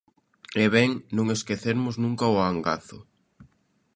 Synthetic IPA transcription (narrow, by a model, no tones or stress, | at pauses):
eβɛŋnõŋeskeθeɾmʊznũŋkaʊaŋɡa̰θʊ̰